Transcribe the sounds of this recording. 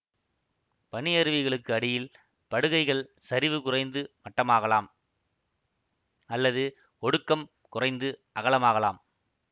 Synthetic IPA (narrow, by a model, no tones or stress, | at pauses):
pɐɳɪɐɾɯʋɪɣɐɭɯkːɯɐɽɪjɪl | pɐɽɯɣɐɪɣɐɭsɐɾɪʋɯkʊrɐɪnd̪ɯmɐʈːɐmaːɣɐlaːm | ɐlːɐðɯ | ɔɽɯkːɐm | kʊrɐɪnd̪ɯʔɐɣɐɭɐmaːɣɐlaːm